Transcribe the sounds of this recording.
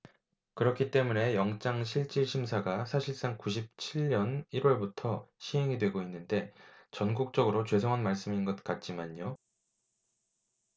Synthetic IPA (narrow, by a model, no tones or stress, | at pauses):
kɯɾʌkʰit͈e̞mune̞jʌŋt͡ɕ͈aŋɕʰiɭt͡ɕ͈iɭɕʰimsʰaɡasʰaɕʰiɭs͈aŋkuɕʰip̚t͡ɕʰiɭɲʌniɾwʌɭbutʰʌɕʰiɦe̞ŋidwe̞ɡoinːɯnde̞t͡ɕʌnɡuk̚t͡ɕ͈ʌɡɯɾot͡ɕwe̞sʰoŋɦanmaɭs͈ɯminɡʌt̚k͈at̚t͡ɕ͈imaɲjo